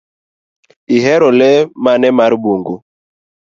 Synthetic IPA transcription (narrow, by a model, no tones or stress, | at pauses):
iɦɛɾɔlɛmanɛmaɾbuŋɡu